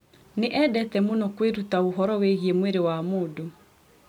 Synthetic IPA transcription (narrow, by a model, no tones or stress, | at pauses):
neʔɛdɛtɛmonɔkweɾutaoɦɔɾɔweɣiemweɾewamoːdo